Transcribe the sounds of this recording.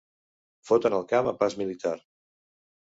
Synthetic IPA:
fot̪ənəlˠkaməpazmilit̪aɾ

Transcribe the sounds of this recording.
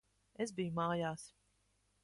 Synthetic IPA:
ezbijumaːjaːs

